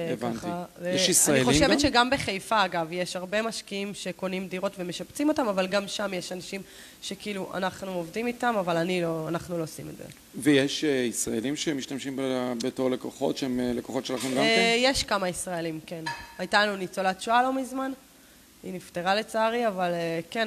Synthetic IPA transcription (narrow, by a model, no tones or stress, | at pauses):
ekvanχajeʃisaaniχo̞ʃeetʃeɡambeχejfaːɡavjeʃaʁbe̞maʃkiimʃe̞ko̞nimdiʁo̞tve̞me̞ʃapt͡simo̞tamavalɡamʃamjeʃanaʃim | ʃe̞kiːluʔa̰naχnuovdimitamavalanilo̞anaχnulo̞simedzḛ | vejeʃeisʁaelimʃemiʃtamʃimbebetoʁlekoχo̞̰tʃeemlekoχo̞tʃelaχemɡamjeʃkamaisʁaelimke̞najtalanunit͡solatt͡ʃualo̞mizman | ḭnifteʁale̞t͡saːʁiavaleken